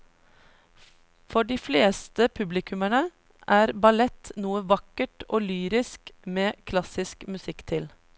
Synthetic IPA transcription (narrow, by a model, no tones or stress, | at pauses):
fɔɖiːfleːst̪əpʰʉblɪkʰʉməɳə | ʔæːɾbɑlɛt̪nuːəʋɑkəʈoːlyːɾɪskmeːkʰlɑsɪskmʉsɪkt̪ʰɪl